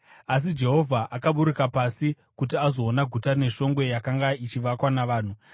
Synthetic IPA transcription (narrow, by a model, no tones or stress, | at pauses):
as̬id͡ʒe̞ɦo̞vʱaʔakaɓuɾukapasi | kutiazo̞ːnaɡʱutane̞ʂo̞ŋɡwe̞jakaŋɡait͡ʃiʋakwanaʋaːn̤u